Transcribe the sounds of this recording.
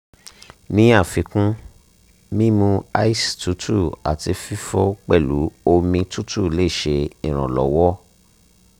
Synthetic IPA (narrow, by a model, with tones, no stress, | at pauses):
nĩ˦a˦˨fi˨˧kũ˦ | mĩ˦mũ˧a̰˦i˦stu˨˦tʰu˦˨a̰˨ti˧fi˦fɔ˦k͡pɛ˦˨lu˨˦o˧mĩ˧tu˦tʰu˦˨le˦i˦˨ʃe˧ĩ˦˨ɾ̃ã̰˨lɔ̰˨˦wɔ˦